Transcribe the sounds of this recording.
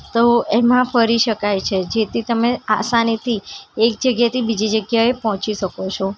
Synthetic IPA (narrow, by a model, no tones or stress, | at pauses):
t̪oemãfəɾiʃəkajt͡ʃʰed͡ʒet̪ʰit̪əmea̰sanit̪ʰiek̚d͡ʒəɡjat̪ʰibid͡ʒid͡ʒəɡjaepɔɦɔ̃t͡ʃiʃəkot͡ʃʰo